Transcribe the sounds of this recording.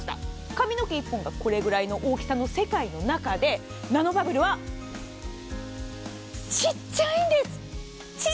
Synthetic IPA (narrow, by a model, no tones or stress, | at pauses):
t̪a̰ | kamʲino̞kʲeipːõ̞ŋɡako̞ɾe̞ɡɯ̟ɾaino̞ʔo̞ːkʲi̥sano̞se̞kaino̞nakad̪e̞ | nano̞babɯ̟ɾɯ̟βa | t͡ɕit͡ɕːaĩːnd̪e̞sɨ̥ | t͡ɕi